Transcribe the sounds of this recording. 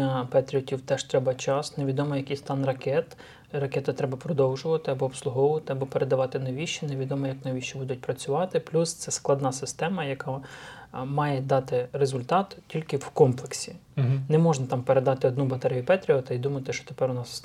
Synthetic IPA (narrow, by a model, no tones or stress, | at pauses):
ɐpɛt̪ʲɾʲiɔtʲiwt̪ɛʃt̪ɾɛbɐt͡ʃɑsneʋʲid̪ɔmɔjɐkʲijst̪ɑnrɐkɛt̪ | rɐkʲɛt̪ɪt̪ɾɛbɐpɾɔd̪ɔwʒʊʋɐt̪ɪɐbɔːpslˠʊɦɔʋʊʋɐt̪ɪɐbɔpeɾed̪ɐʋɑt̪ɪnɔʋʲiʃt͡ʃɛneʋʲid̪ɔmɔjɐknɔʋʲiʃɛbud̪ʊt̚ʲpɾɐt͡sʲʊʋɑt̪ɪplʲust̪sɛsklˠɐd̪nɑsɪst̪ɛmɐjɐkɑ | mɑjɛd̪ɑt̪ɪrezʊlʲt̪ɑt̪tʲilʲkɪwkɔmplˠeksʲinɛmɔʒnɐt̪ɑmpeɾed̪ɑt̪ɪɔd̪nubɐt̪ɛɾʲijʊpɛt̪ʲɾʲiɔt̪ɐid̪umɐt̪ɪʃɔ̥t̪e̥pɛɾʊnɑs